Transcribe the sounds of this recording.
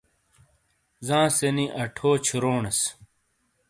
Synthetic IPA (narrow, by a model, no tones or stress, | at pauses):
zãːseniʔɐʈʰoːt͡ɕʰiɾoːnɐs